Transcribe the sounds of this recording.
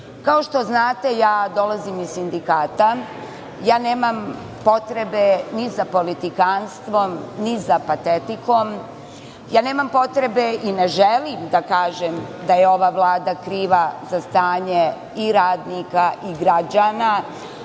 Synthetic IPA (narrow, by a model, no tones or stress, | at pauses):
kaoʃt̪o̞znaːt̪e̞jaːd̪o̞lazimisːind̪ikaːt̪a | jaːneːmam | po̞t̪ɾe̞benizapo̞lit̪ikanst̪ʋo̞mnizapat̪et̪iko̞m | jaːne̞ːmampo̞t̪ɾe̞beʔineʒelimd̪akaːʒemd̪ajeo̞ʋaːʋlˠaːd̪akɾiːʋazast̪aːɲe | iɾaːd̪nikaʔiɡɾad͡ʒana